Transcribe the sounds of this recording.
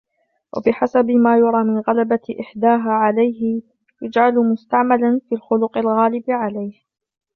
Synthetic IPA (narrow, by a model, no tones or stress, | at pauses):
wʔa̰bɪħasabɪmaːjɑɾˤɑːmɪnɣalabaʔɪħd̪aːɦaːʕalajɦɪ | jad͡ʒʕalmʊst̪aʕmalanfiːlxʊlʊqalɣaːlɪbɪʕalajh